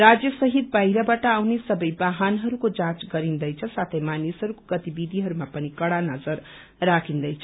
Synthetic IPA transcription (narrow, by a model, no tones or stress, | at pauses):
ɾad͡zjʌsʌɦit̪̚bajɾʌbaʈʌawnesʌbʌjbaɦanɦʌɾukod͡zãt͡sɡʌɾind̪ʌjt͡sʰʌsat̪ʰʌjmanisɦʌɾukoɡʌt̪ibid̪ʱiɦʌɾumapʌnikʌɽanʌd͡zʌɾː | akʰind̪ʌjt͡sʰʌ